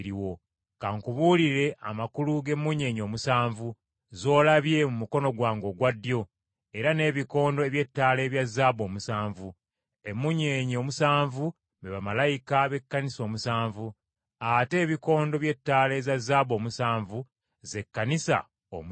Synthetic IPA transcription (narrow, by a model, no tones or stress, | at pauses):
ɾiwo̞ | kaŋkuβuːliɾe̞ʔa̰makuluɡe̞mːuɲe̞ːɲo̞ːmusaːɱvu | zo̞ːlaβje̞mumuko̞no̞ɡwaːŋɡo̞ɡwadːjo̞ | e̞ɾane̞ːβiko̞ːndo̞eβje̞tːaːle̞ːβjazːaːβo̞ːmusaːɱvu | e̞mːuɲeːɲo̞ːmusaːɱvu | meβamalajikaβe̞kːaniso̞ːmusaːɱvu | ate̞ːβiko̞ːndo̞βje̞tːaːle̞ːzazːaːβo̞ːmusaːɱvu | ze̞kːanisa̰ | o̰m